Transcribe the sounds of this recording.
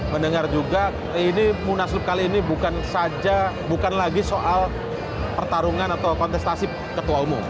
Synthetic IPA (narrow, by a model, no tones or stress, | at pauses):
məndəŋard͡ʒuɡa | inimunaslʊp̚kaliːnibukansad͡ʒa | bukanlaɡisoʔal | pərt̪aɾuŋanat̪awkɔnt̪ɛst̪asi | kət̪uaumʊm